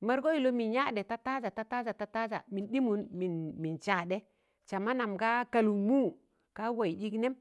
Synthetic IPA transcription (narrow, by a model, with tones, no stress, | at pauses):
ma˦ɾɡo˦i˨lo˦mi˨nja˦˨ɗe˨ta˦ta˦za˨ta˦ta˦za˨ta˦ta˦za̰˨mi˨nɗi˦mu˨nmi˨nmi˨nt͡ʃa˨ɗe˦ | t͡ʃa˨ma˦na˨mka˦ka˨lu˨mu˦ | ka˦wa˨i˨ɗi˦kne˦m